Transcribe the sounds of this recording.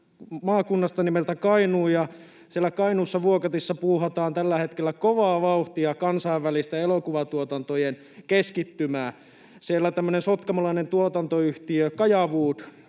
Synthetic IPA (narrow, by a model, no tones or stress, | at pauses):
mɑːkunːɑst̪ɑnimelt̪ækɑinuːjɑ | sielːækɑinuːsːɑʋuokɑt̪isːɑpuːhɑt̪ɑːnt̪ælːæhet̪kelːækoʋɑːʋɑuht̪iɑkɑnsɑiʋːælist̪eelokuʋɑt̪uot̪ɑnt̪ojen | keskit̪ːymæː | sielːæt̪æmːønensot̪kɑmɑlɑinent̪uot̪ɑnt̪oyht̪iøkɑjɑʋuːt̪